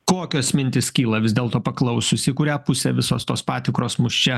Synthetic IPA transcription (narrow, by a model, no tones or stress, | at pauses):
koːkʲoːsmʲɪnʲt̪ʲɪskʲiːlˠɐʋʲɪzd̪ʲeːlˠt̪oːpɐklˠɐʊsʲʊsʲɪkʊːɾʲæːpʊsʲɛʋʲɪso̰ːst̪o̰ːspɑːt̪ʲɪkɾoːsmʊʃʲt͡ʃʲɛ